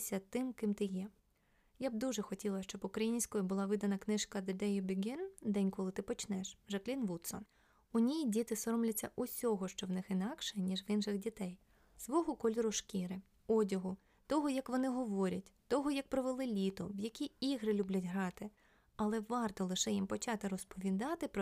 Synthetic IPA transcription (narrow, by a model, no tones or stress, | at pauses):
sʲɐt̪ɪmkɪmt̪ɪjɛ | jab̚d̪uʒɛxɔtʲilˠɐʃt͡ʃɔbʊkɾɐjinʲsʲkɔjʊbʊlˠɑʋɪd̪ɐnɐknɪʃkɐd̪ɪd̪ɛjʊbʲiɡʲɪnd̪ɛnʲkɔlˠɪt̪ɪpɔt͡ʃnɛʃʒɐklʲinʋut̪sɔ̰n | ʊnʲijidʲit̪ɪsɔɾɔmlʲɐt͡sʲːɐʔʊsʲɔɦɔʃt͡ʃɔwnɪxɪnɑkʃɛnʲiʒʋɪnʃɪɣdʲit̪ɛj | sʋɔɦʊkɔlʲiɾʊʃkʲiɾɪ | ɔdʲɐɦʊ | t̪ɔɦɔjɐkʋɔnɪɦɔʋɔɾʲɐtʲt̪ɔɦɔjɐk̚pɾɔʋelˠɪlʲit̪ɔwjɐkʲiiɦɾɪlʲublʲɐtʲɦɾɑt̪ɪ | ɐlˠɛʋɑrt̪ɔlˠɪʃɛjimpɔt͡ʃɑt̪ɪɾɔspɔʋʲid̪ɑt̪ɪpɾ